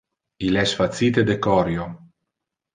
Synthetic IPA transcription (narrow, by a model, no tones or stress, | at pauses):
ilɛsfat̪siːt̪ed̪ekɔɾjo